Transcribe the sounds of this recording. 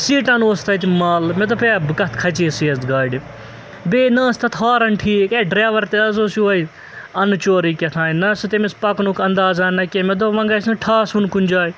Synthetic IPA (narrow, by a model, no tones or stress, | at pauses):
siːʈɐnoːst̪ʰɐt̪ʲmaːlmed̪opʰebɨkɐt̪ʰkʰɐt͡ʃiːsiɐsd̪ɡaːiɖi | beːnɐːst̪ʰɐt̪ʰɦaːɾɐnʈʰiːkɐɖɾaːʋɐɾt̪eɐzoːsiʋɐj | ɐnt͡ʃoːɾiːkʲɐt̪ʰãːninɐsɨt̪emispɐknukʰɐnd̪aːzaːnnɐkʲemed̪oʋɐ̃ŋɡɐsnɐʈʰaːsunkunʲd͡ʒaːj